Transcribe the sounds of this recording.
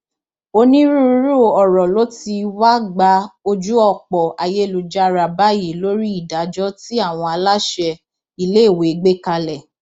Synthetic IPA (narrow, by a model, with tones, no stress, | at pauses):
o˧nĩ˦ɾu˦˨˦ɾu˦˨ɔ˨ɾɔ˨lo˦ti˧wa˦ɡ͡ba˨˧˦o˧d͡ʒu˦ɔ˦˨k͡pɔ˨ʔa˨je˦lu˨d͡ʒa˦˧ɾa˧˨ba˦ji˨˦lo˦ɾi˦i˦˨da˨˦d͡ʒɔ˦ti˦a˦˨w̃ɔ̃˧a˧la˦ʃɛ˧ | i˧le˦˨we˨˦ɡ͡be˦ka˧lɛ˨